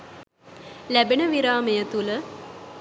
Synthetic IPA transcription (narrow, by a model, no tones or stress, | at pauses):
læbenəʋiɾaːmejət̪ulə